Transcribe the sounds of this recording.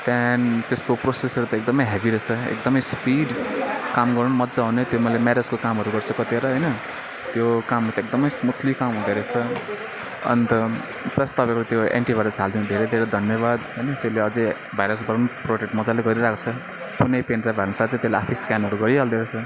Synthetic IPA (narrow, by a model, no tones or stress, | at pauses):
t̪jant̪eskoprosesʌɾut̪ʌek̚d̪ʌmʌjɦebiɾʌt͡sʰʌḛk̚d̪ʌmʌjspiɖkamɡʌɾunmʌd͡zaɦunet̪jomʌjlemaɾed͡zkokamɦʌɾuɡʌɾt͡sʰʌkʌt̪eɾʌɦʌjnʌ | t̪jokamɦaɾt̪ek̚d̪ʌmʌjsmut̪ʰlikamɦũd̪eɾet͡sʰʌ | ʌ̰nt̪ʌ | pɾʌst̪ʌbaklt̪joḛɳʈibʱajɾʌsɦald̪ĩũd̪ʱeɾed̪ʱeɾed̪ʱʌnjʌβad̪ɦʌjnʌt̪eleʌd͡zʌ | bajɾʌsɡʌɾunproʈek̚ʈmʌd͡zaleɡʌɾiɾakʰt͡sʰʌ | punʌjpenrabʱaɾnʌsat̪ʰet̪eslea̰pʰiskanɦʌɾuɡʌɾiɦald̪eɾet͡sʰʌ